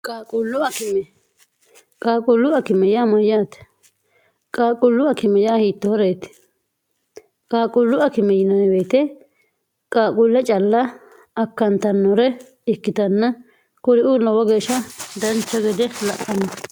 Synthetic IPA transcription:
kʼaːkʼʊlːʊɐkɪmɛ | kʼaːkʼʊlːʊɐkɪmɛjamɐjːaːt̪ | kʼaːkʼʊlːʊɐkɪmɛjaːhiːt̪ːɔhɔɾeːt̪ɪ̥ | kʼaːkʼʊlːʊɐkɪmɛjɪnɐnɛbeːt̪ɛ | kʼaːkʼʊlːɛt͡ʃʼɐlːɐ | ɐkːɐnt̪ɐnːɔɾɛ | ɪkːɪt̪ɐnːɐ | kʊɾɪʔuːlɐwɐɡeːʃɐd̪ɐnt͡ʃːɐɡɛd̪ɛlɐʔʼɐnɐ

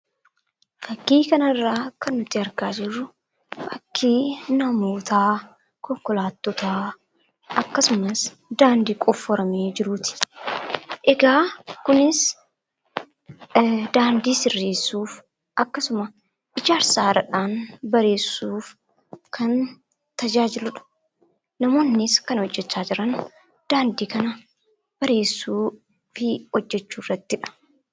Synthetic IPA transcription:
fɐkːiːkɐnɐrːaːkɐnːʊt̪ːɪɐɾɡaːd͡ʒɪrːʊ | fɐkʰːiːnɐmoːt̪aː | kɔŋkɔlaːt̪ːɔt̪aː | ɐkːɐsʊmɐs | d̪aːnd̪iːkʼɔfːɔɾɐmeːd͡ʒɪɾut̪ɪ̥ | ʔɛɡaːkʊnɪs | d̪aːnd̪iːsɪrːeːsːuːf | ʔɐkːɐsʊmɐ | ʔɪd͡ʒaːɾsaːɾɐᶑaːnbɐɾe̞ːsːuːf | kʰɐn | t̪ɐd͡ʒaːd͡ʒɪlʊᶑɐ̥ | nɐmoːnːɪskɐnhɔd͡ʒːɛt͡ʃːaːd͡ʒɪɾɐn | d̪̥aːnd̪iːkɐnɐ | b̥ɐɾe̞ːsːuː | fɪhɔd͡ʒːɛt͡ʃːuːrːɐt̪ːɪᶑɐ̥

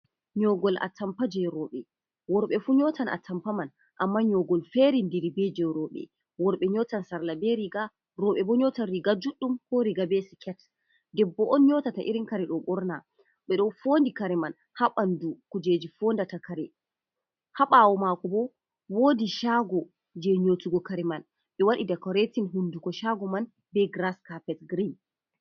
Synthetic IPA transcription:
ɲɔɡɔlʔa̰tːampad͡ʒɛɾɔɓɛ | wɔɾɓɛfuɲɔtʰana̰tːampaman | ʔamːaɲɔɡɔlfeɾindiɾibed͡ʒɛɾɔɓɛ̰ | wɔɾɓɛɲɔtansaɾlabɛɾiɡa | ɾɔɓɛbɔɲɔtanɾiɡad͡ʒuɗːumhɔɾiɡabɛsɛkʰɛt | dɛbːɔʔɔnɲɔtataʔiɾinkaɾɛɗɔɓɔɾna | ɓɛɗɔfoːndikaɾɛman | haɓandukud͡ʒed͡ʒifoːndatakaɾɛ | haɓawɔmakɔbɔ | woːdiʃaɡɔ | d͡ʒɛɲotuɡɔkaɾɛman | ɓɛwaɗidɛkɔɾetinɦundukɔʃaɡɔman | bɛɡɾaskapɛtɡɾin

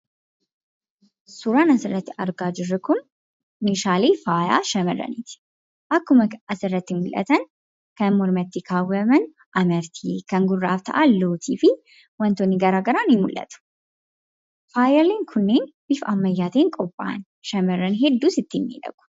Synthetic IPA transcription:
sʊɾaːnɐsɪrːɐt̪ːɪʔɐɾɡaːd͡ʒɪrːʊkʊn | nɪʃaːleːfaːja̰ːʃɐmɐrːɐ̰niːt̪ɪ̥ | ʔɐkːʊmɐʔɐsɪrːɐt̪ːɪmʊlʔɐ̰t̪ɐn | kɐnmɔɾmɐt̪ːɪkʰaːwɐmɐn | ʔɐmɐɾt̪ʰikɐŋɡʊrːa̰ːft̪ʰɐ̰ʔaːloːt̪ʰiːfɪ | wɐnt̪ɔnːɪɡɐɾaːɡɐɾaːnɪmʊlʔɐ̰t̪ʊ̥ | faːjɐleːŋkʰʊnːeːnb̥ɪfʔɐmːɐjːaːt̪eːŋkʼɔpʼːa̰ːn | ʃɐmɐrːɐnɦɛd̪ːuːsɪt̪ːɪnːḭːᶑ̪ɐ̰ɡ̥ʊ̥

